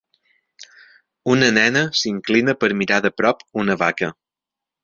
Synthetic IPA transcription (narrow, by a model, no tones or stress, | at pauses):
unənɛnəsiŋklinəpəɾmiɾaðəpɾɔpunəβakə